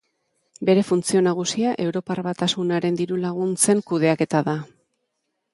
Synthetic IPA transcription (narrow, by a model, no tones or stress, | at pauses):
be̞ɾe̞funt͡sio̞naɣ̞usiaʔe̞wɾo̞parβat̪asunaɾe̞nd̪iɾulaɣ̞unt͡se̞ŋkuð̞e̞ake̞t̪aða